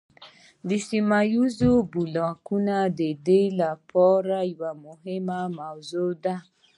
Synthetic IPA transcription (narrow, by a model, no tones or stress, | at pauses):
disimajuzobulɔakunadedeilapʰɔɾaiwamoɦemamaozoda